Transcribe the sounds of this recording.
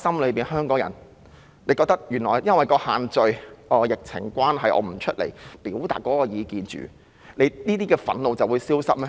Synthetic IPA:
sɐ˥mlɵ˨˧ɥpiː˨nɦœː˥ŋkɔː˨˥ŋjɐ˨˩n | le˧kɔː˧k̚t̪ɐ˥k̚jyː˨˩nlɔː˨˩jjɐ˥nwɐ˨jkɔː˧haː˨nt͡ʃɵ˨ɥʔɔː˨˧jɪ˨k̚t͡sʰɪ̰˨˩ŋkʷaː˥nɦɐ˨jʔɔ̰ː˨˧m̩˨˩t͡ʃʰɵ˥t̚lḛ˨˩jpiː˨˥wt̪a̰ː˨t̚kɔː˨˥kɔː˧jiː˨˧kiː˨nt͡ʃy̰ː˨˩ | ne˨˧jniː˥t̪̬iː˥kɛː˧fɐ̰˨˥nlo˨wt͡sɐ˨wuː˨˧jsiː˥wsɐ˥t̚mɛ˥

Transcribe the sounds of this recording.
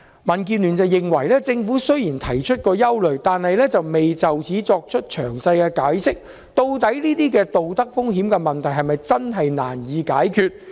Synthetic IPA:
mɐ˨˩nk̬iː˨˧nlyː˨˩nt͡sɐ˨˧wjɪ˨ŋwɐ˨˩jlɛː˥t͡sɪ˧ŋfuː˨˥sɵ˥ɥjiː˨˩nt̪ʰɐ˨˩jt͡ʃʰɵ˥t̚kɔː˧jɐ˥wlɵ˨ɥt̪aː˨nhɐ˨jlɛː˥t͡sɐ˨wme˨jt͡sɐ˨wt͡siː˨˥t͡sɔː˧k̚t͡ʃʰɵ˥t̚t͡ʃʰœ̰ː˨˩ŋsɐ˧jkɛː˧kaː˨˥jsɪ˥k̚ | t̪o˧wt̪ɐ˨˥jniː˥t̪iː˥kɛː˧t̪o˨wt̪ɐ˥k̚fʊ˥ŋɦiː˨˥mkɛ˧mɐ˨nt̪ʰɐ˨˩jɦɐ˨jmɐ˨jt͡sɐ˥nɦɐ˨jna̰ː˨˩njiː˨˧kaː˨˥jkʰyː˧t̚

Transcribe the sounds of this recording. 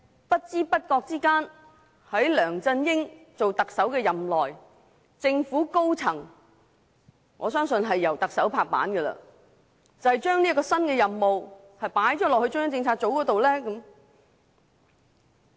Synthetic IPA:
pɐ˥t̚t͡siː˥pɐ˥t̚kɔː˧k̚t͡siː˥kaː˥n | hɐ˨˥jlœː˨˩ŋt͡sɐ˧njɪ˥ŋt͡so˨wt̪ɐ˨k̚sɐ˨˥wkɛː˧jɐ˨mlɔː˨j | t͡sɪ˧ŋfuː˨˥ko˥wt͡sʰɐ˨˩ŋ | ŋɔ̰ː˨˧s̬œː˥ŋsɵ˧nɦɐ˨jːɐ˨˩wt̪ɐ˨k̚sɐ˨˥wpʰaː˧k̚pa̰ː˨˥nɡə˧lɐ̰˧ | t͡sɐ˨˩whjt͡ʃœː˥ŋniː˥kɔː˧sɐ˥nkɛː˧jɐ˨mːo˨w | hɐ˨jpaː˨˥jt͡ʃɔː˨˥lɔː˨k̚hɵ˧t͡ʃʊ˥ŋː˥t͡sɪ˧ŋt͡sʰaː˧t̚t͡so˨˥wkɔː˨˥t̪o˨wlɛː˥kɐ˨˥m

